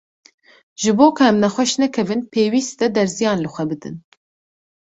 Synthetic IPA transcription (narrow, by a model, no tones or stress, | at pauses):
ʒ̥ɨboːkʰʊɛmnɛxʷɛʃnɛkʰɛvɨnpʰeːwiːst̪ɛd̪ɛɾzijɑːnlɨxʷɛbɨd̪ɨ̰n